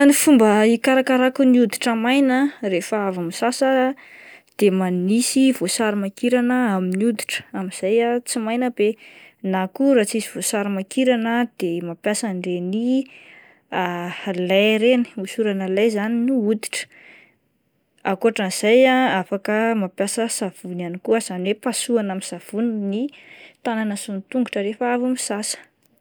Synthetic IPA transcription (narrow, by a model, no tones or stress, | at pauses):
nifumbəikaɾakaɾakuniud̪iʈ͡ʂəmajnərefəavumisasa | d̪̥emanisivosaɾimakiɾanəaminiud̪iʈ͡ʂə̥amiz̥ajat͡simajnəbenakuɾat͡sisiv̥osaɾimakiɾanəd̪̥emapjasaɳɖ͡ʐeni | alajɾeni̥usuɾanəlajzaninuud̪i̥ʈ͡ʂə̥ | akuaʈ͡ʂaniz̥ajaafakəmapjasəsav̥unanikuəz̥anwepasuanamisav̥uninit̪ananəsunit̪uŋɡuʈ͡ʂəɾefavumisasə̥